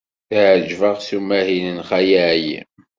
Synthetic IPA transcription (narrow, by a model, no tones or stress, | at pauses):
θəʕəd͡ʒvəʁθumːæhinənχæjiʕjḭ